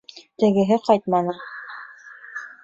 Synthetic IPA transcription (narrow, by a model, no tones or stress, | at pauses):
t̪ɘ̆ɡɘ̆ɦɘqɑjt̪̚mɑnɤ